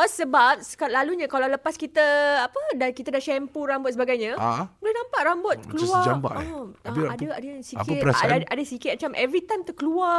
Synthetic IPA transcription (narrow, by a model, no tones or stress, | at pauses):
əsəbap̚sə̥kat̪̚laluɲə̃kalaləpaskit̪əapədankit̪ədaʃɛmpuɾambʊt̪̚səbaɡajɲãabolahnampaʔ̪̚rambɔt̪̚kəluad͡ʒamba̰ʔɔaiadəadəsikɪaadəsikɪt̪̚mət͡ʃamʔɛvɾit̪ajmt̪əkəlua